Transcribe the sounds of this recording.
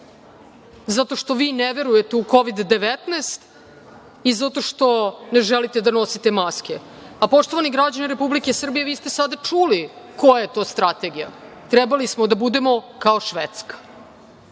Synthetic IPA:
zat̪o̞ʃt̪o̞ʋiːneʋe̞ɾujet̪euko̞ʋid̪ːeʋet̪neːst̪ | izat̪o̞ʃt̪o̞neʒɛlit̪e̞d̪ano̞sit̪emaskeapo̞ʂt̪oʋaniɡɾad͡ʑaniɾepublikesr̩bijeʋiːst̪e̞sad̪at͡ʂuli | ko̞jajet̪o̞ːst̪ɾat̪e̞ɡija̰ | t̪ɾɛbalismod̪abud̪e̞mo̞kaoʃʋet̪skḁ

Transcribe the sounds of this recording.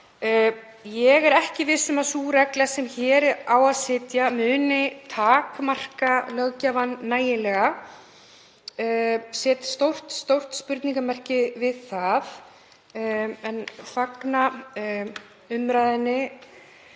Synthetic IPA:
jɛɣɛɾɛhcɪvɪsʏmasuɾɛklasɛmçɛːɾɪaːwaðsɪːt̪jamʏːnɪt̪ʰaːkmar̥kalœɣcavanːaːjɪlɛɣa | sɛːt̪st̪owr̥t̪st̪owr̥t̪spʏɾt̪niŋkamɛr̥cɪvɪðθaθ | ɛnfakna | ʏmɾajðɪnːɪ

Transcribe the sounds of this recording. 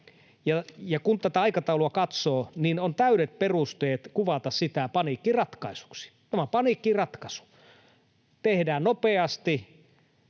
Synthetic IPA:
jɑjɑkunt̪æt̪æɑikɑt̪ɑuluɑkɑt̪soːninont̪æyɾet̪̚perust̪eːt̪kuʋɑt̪ɑssit̪æpɑnikːirɑt̪kɑisu̥ksi̥t̪æmæpɑnikːirɑt̪kɑsu̥ | t̪ehdæːnnopeɑst̪i

